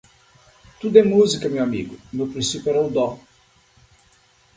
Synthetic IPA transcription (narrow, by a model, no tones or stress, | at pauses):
t̪ud̪ɛmuzikɐmewamḭɡʊmewpɾĩsipjɛɾaud̪ɔ